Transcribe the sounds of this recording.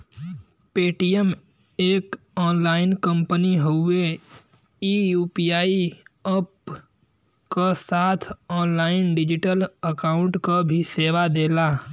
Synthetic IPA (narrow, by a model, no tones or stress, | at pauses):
peːʈijəm | eːk | ɔːnlaːɪnkə̃mpəniɦoʊe | iːjuːpijaːiəp | kasaːt̪ʰɔːnlaːɪnɖɪd͡ʒɪʈələkaːʊ̃ɳʈkabʱiseːʋad̪eːlaː